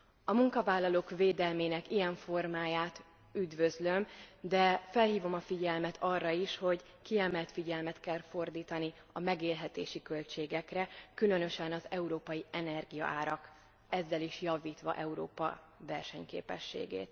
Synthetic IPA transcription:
ɒmuŋkɒvaːlːɒloːkveːd̪ɛlmeːnɛkijɛɱfo̞rmaːjaːt̪ | yd̪vøzlø̞md̪ɛfɛlɦiːvo̞mɒfiɟɛlmɛt̪ʰɒrːɒiʃho̞ɟ | kiɛmɛlt̪fiɟɛlmɛt̪kɛlfo̞rd̪iːt̪ɒni | ɒmɛɡeːlɦɛt̪eːʃikø̞lt͡ʃeːɡɛkrɛkylønøʃɛnɒzɛuɾoːpɒjiɛnɛrɡijɒ̰ʔaːɾɒk | ɛzːɛliʃjɒviːt̪ʋɒ̰ʔɛuɾo̰ːpɒ̰ | vɛrʃɛɲkḛːpɛ̰ʃːḛːɡḛːt̪

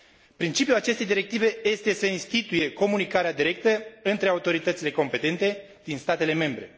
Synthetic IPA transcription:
pɾint͡ʃipjulat͡ʃe̞st̪e̞jd̪iɾe̞k̚t̪ive̞je̞st̪e̞səinst̪it̪uje̞ko̞munikaɾead̪iɾe̞k̚t̪əɨnt̪ɾe̞aut̪o̞ɾit̪ət̪sile̞ko̞mpe̞t̪e̞nt̪e̞ | d̪̥inst̪at̪e̞le̞me̞mbɾe̞

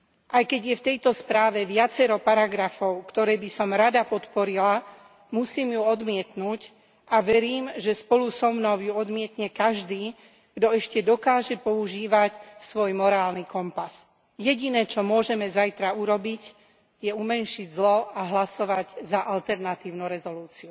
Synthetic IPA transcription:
ʔajkɛɟjɛft̪ɛjt̪ɔspɾaːʋɛʋɪat͡sɛɾɔpaɾaɡɾafɔʊkt̪ɔɾɛːbisɔmɾad̪apɔt̪pɔɾila | musiːmjuɔd̪mɪɛt̪nuːc | ʔaʋɛɾiːmʒɛspɔlusɔmnɔʊjuɔd̪mɪɛt̪ɲɛkaʒd̪iː | ɡ̥d̪ɔɛʃcɛd̪ɔkaːʒɛpɔuʒiːʋacsʋɔjmɔɾaːlnikɔmpas | jɛɟinɛːt͡ʃɔmʊɔʒɛmɛzajt̪ɾauɾɔbic | jɛumɛnʃiɟzlɔaɦlasɔʋaɟzaʔalt̪ɛɾnat̪iːʊnuɾɛzɔluːt͡siu

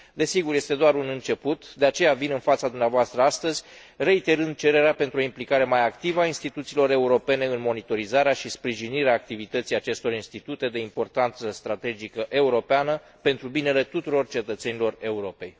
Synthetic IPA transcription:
d̪e̞siɡurje̞st̪e̞d̪oaɾunɨnt͡ʃe̞put̪d̪e̞at͡ʃe̞javinɨnfat̪sad̪umneavoast̪ɾəast̪əzʲ | re̞it̪e̞ɾɨnd̪̚t͡ʃe̞ɾe̞ɾeape̞nt̪ɾuo̞implikaɾe̞majakt̪ivəainst̪it̪ut̪silo̞ɾe̞uɾo̞pe̞ne̞ɨnmo̞nit̪o̞ɾizaɾeaʃispɾiʒiniɾeaːk̚t̪ivit̪ət̪sijat͡ʃe̞st̪o̞ɾinst̪it̪ut̪e̞d̪e̞impo̞rt̪ant̪səst̪ɾat̪e̞d͡ʒikəʔe̞uɾo̞peanə | pe̞nt̪ɾubine̞le̞t̪ut̪uɾo̞rt͡ʃe̞t̪ət̪se̞nilo̞re̞uɾo̞pe̞j

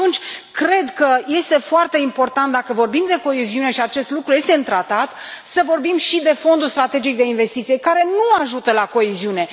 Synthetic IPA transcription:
at̪unt͡ʃʲkɾe̞d̪kəje̞st̪e̞foart̪e̞impo̞rt̪ant̪d̪akəvo̞rbimd̪e̞ko̞eziune̞ʃiat͡ʃe̞st̪lukɾuje̞st̪eɨnt̪ɾat̪at̪ | səvo̞rbimʃid̪e̞fo̞nd̪ulst̪ɾat̪e̞d͡ʒik̚d̪e̞inve̞st̪it̪sije̞kaɾe̞nuaʒut̪əlako̞eziune̞

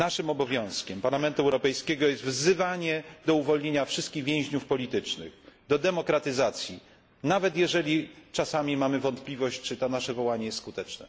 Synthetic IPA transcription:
naʂɘmɔbɔvʲjɔ̃w̃skʲɛmpaɾlamɛnt̪uɛwɾɔpɛjskʲɛɡɔjɛst̪vzɘvaɲɛd̪ɔuvɔlɲeɲafʂɘst̪kʲiɣvʲjɛ̃w̃ʑɲufpɔlʲit̪ɘt͡ʂnɘ̰ɣd̪ɔd̪ɛmɔkɾat̪ɘzat̪sʲji | navɛt̪jɛʐɛlʲit͡ʂasamʲimamɘvɔnt̪plʲivɔɕt͡ɕt͡ʂɘt̪anaʂɛvɔwaɲɛjɛst̪skut̪ɛt͡ʂnɛ̰

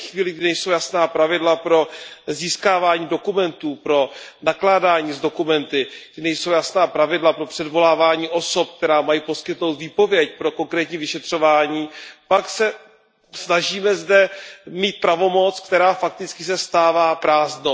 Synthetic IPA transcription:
xviːlɪɡ̚dɪɪnɛjsowjasnaːpɾavɪdlapɾo̞ziːskaːvaːɲiːdo̞kumɛnt̪uːpɾo̞naklaːdaːɲiːzdo̞kumɛnt̪ɪɡdɪnɛjso̞wjasnaːpɾavɪdlapɾo̞pr̥ɛdvo̞laːvaːɲiːʔo̞so̞p̚k̚t̪ɛɾaːmajiːpo̞skɪt̪no̞wt̪viːpo̞vjɛc̚pɾo̞ko̞ŋkɾɛːt̪ɲiːvɪʃɛt̪r̝̥o̞vaːɲiːpaksɛ | snaʒiːmɛzdɛmiːt̪̚pɾavo̞mo̞t͡sk̚t̪ɛɾaːfak̚t̪ɪt͡skɪsɛst̪aːvaːpɾaːznow

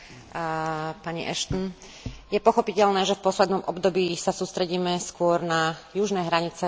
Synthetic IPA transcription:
paɲḭʔɛʃt̪n̩ | jɛpɔxɔpicɛʎnɛːʒɛfpɔslɛd̪nɔmʔɔbd̪ɔbiːsasuːst̪ɾɛɟiːmɛskʊɔɾnajuʒnɛːɦɾaɲit͡sɛ

